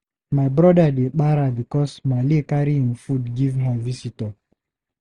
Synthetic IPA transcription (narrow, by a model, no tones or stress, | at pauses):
majbɾɔdadek͡paɾabikɔsmalekaɾiĩnfudɡivɦavisitɔ